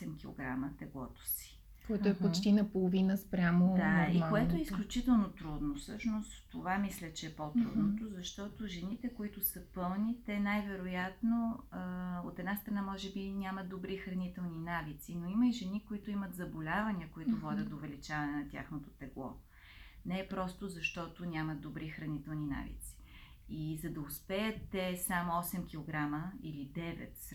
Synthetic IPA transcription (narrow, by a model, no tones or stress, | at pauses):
ɛmkʲilˠo̰ɡɾa̰mət̪ɛɡlˠɔt̪o̥si̥ | kɔj̪oɛppot͡ʃt̪inɐpolˠovinəspɾʲamod̪aikoɛt̪oɛisklʲut͡ʃit̪ɛlˠnot̪ɾud̪nofsɤʃnost̪ːovamislʲət͡ʃɛːpot̪ɾṵd̪not̪ozɐʃt̪ɔt̪oʒɛnit̪ɛkoit̪ʊsəpɤlˠnit̪ɛnajvɛɾojat̪noəot̪ɛd̪nast̪ɾɐnamɔʒɛbinʲamət̪ːobɾixɾɐnit̪ɛlˠninavit̪sinoiməiʒɛnikoit̪ʊimət̪zɐbolʲavɐnʲiəkoit̪ovɔd̪ʲət̪d̪oːvɛlit͡ʃavɐnɛnɐt̪ʲa̰xnot̪ot̪ɛɡlˠɔ̰ | nɛɛpɾɔst̪ozɐʃt̪ɔt̪onʲamɐd̪̚d̪obɾixɾɐnit̪ɛlˠnina̰vḭt̪si̥ | izɐd̪ɐospɛjət̪ːɛsamoɔsɛmkʲilˠoɡɾaməilid̪ɛvɛ̰t̪